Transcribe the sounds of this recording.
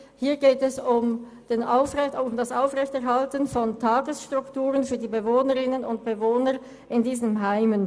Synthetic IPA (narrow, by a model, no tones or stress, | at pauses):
hiːɐɡeːtɛsʊm | d̥eːnʔaʊfʁɛʊmdasʔaʊfʁɛçtɛɐɦaltənfɔntʰaːɡəsʃtʁ̥ʊktuːʁənfyːɐdiːbəvoːnəʁɪnənʊnt̚b̥əvoːnə | ʔɪndiːzəmɦaɪmən